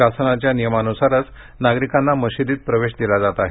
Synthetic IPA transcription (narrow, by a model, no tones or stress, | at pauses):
asənat͡ɕjanijəmanusaɾət͡s | naɡɾikanːaməɕid̪iːt̪̚pɾəʋeɕd̪ilad͡zat̪aɦe